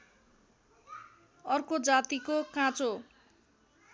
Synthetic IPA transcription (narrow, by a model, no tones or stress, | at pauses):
ʌrkod͡zat̪ikokãt͡so